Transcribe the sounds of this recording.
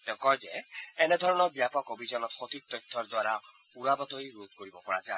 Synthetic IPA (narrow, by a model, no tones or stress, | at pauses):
t̪ɛ̃kɔjd͡ʒeened̪ʱɔɹɔnɔɾbjapɔkobʱid͡ʑɔnɔt̪xot̪ʰik̚t̪ɔt̪ʰːɔɾd̪waɾa | uɾabɔt̪ɔiɾut̪̚koɾibɔpɔɹa̰t͡ʃa